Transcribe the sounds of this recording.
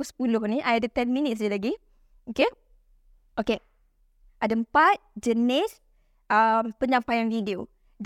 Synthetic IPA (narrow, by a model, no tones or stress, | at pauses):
sə̥pulʊhniʔajadət̪ɛnminɪt̪̚sd͡ʒilaɡi | oke | ʔoke | ʔadaəmpat̪̚d͡ʒənɪs | ʔəmpəɲd͡ʒampajanvidio | d͡ʒ